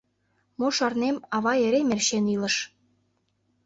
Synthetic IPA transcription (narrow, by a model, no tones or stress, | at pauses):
moʃɑrnemɑβɑeɾemerʃenilə̆ʃ